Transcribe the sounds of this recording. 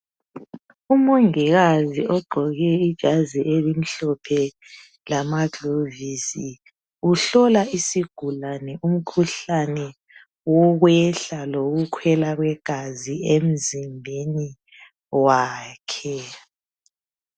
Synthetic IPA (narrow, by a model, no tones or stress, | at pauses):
umoŋiɣaziʔɔɡ͡ǃʱɔɣɛid̥ʒ̥ʱaziʔelim̩ɬɔpʰɛ | lamaɡʱovisi | uɬɔlaisiɡ̥ʱulanɛʔum̩kʰuɬanɛ | wɔɣwɛɬaloɣukʰwɛlaɣwɛɡ̥ʱaziem̩zimbʱeni | waːkʰɛ